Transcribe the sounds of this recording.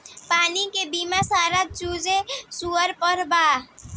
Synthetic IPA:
paːnikebimasaːɾət̪̚t͡ʃud͡ʒesuəɾpəɾba

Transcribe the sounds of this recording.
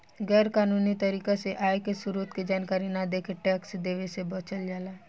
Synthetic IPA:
ɡɛːɾkaːnuːnit̪ɐɾiːkaseʔaːekesʊɾuːt̪ked͡ʒaːnkaːɾinad̪eːkʰəʈɛːksd̪eːʋesebət͡ʃəld͡ʒaːlaː

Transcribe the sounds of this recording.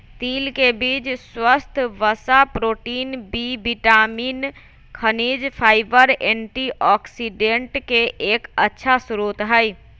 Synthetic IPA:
t̪iːlkebid͡ʒswəst̪ʰʋəsapɾoːʈiːnbibiʈamiːn | kʰənid͡ʒpʰaːɪbəɾeɳʈiʔɔksiɖeɳʈkeʔeːkətːʃʰasɾut̪ɦəj

